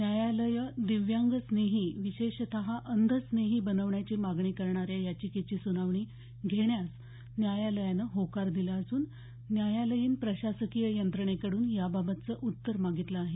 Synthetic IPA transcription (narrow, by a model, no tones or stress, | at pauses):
njajaləjəd̪iʋjaŋɡəsneɦiːʋiɕeɕt̪ʰaɦaʔənd̪ʱəsneɦiːbənəʋɳjat͡ɕiːmaɡɳiːkəɾɳaɾjajat͡ɕiːket͡ɕiːsunaʋɳiː | ɡʱeɳjas | njajaləjanəɦokaɾd̪ilaːsuːnː | jajaləjiːnpɾəɕasəkijəjənt̪ɾəɳ̃ekəɽuːnjababət̪t͡səːʔut̪ːəɾmaɡʱit̪laːɦe